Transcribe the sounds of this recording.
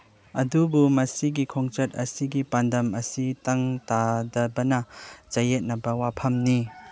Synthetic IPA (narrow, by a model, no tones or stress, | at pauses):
ɐdubumɐsiɡikʰɔŋt͡ʃɐt̚ɐsiɡipandɐmɐsitɐŋtadɐbɐnɐt͡ʃɐjet̚nɐbɐwapʰɐmni